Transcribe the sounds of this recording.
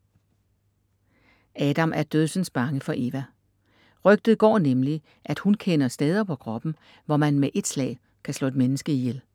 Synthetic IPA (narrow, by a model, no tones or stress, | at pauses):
ʔɛːd̥ɑ̈mʔæɐd̥øðˠsən̩sb̥ɑ̈ŋəfɒ̽ʔe̝ːʋæ | ʁœɡ̥d̥ð̩ˠɡ̥ɒ̰ːnemli | ʔæd̥hunkʰenɐsd̥eːð̞ˠɐpʰɒ̽kʰʁɒ̽b̥n̩ | ʋɒmænmeʔe̝d̥slɛ̰ːɪ | kʰæslɔ̰ːe̝d̥menəsɡ̥əijel